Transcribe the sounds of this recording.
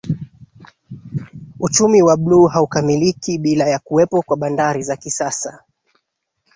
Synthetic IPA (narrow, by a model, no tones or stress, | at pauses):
ut͡ʃumiwaɓluːɦaukamilikiɓilajakuwɛpɔkwaɓandaɾizakisasa